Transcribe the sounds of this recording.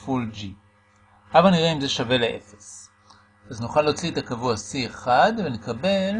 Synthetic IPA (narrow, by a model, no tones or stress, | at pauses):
fuld͡ʒi | ʔavalniʁeimzeʃave̞leʔe̞̰fe̥s | aznuχalːo̞ːt͡siet̪akavuasieχad̪ve̞ne̞kabe̞l